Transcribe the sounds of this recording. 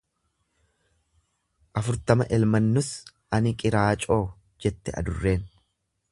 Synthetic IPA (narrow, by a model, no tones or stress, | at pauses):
ʔɐfʊɾt̪ɐmɐʔɛlmɐnːʊsʔɐnɪkʼɪɾaːt͡ʃʼo̞ː | d͡ʒɛt̪ːɛɐ̰d̪ʊrːe̞ːn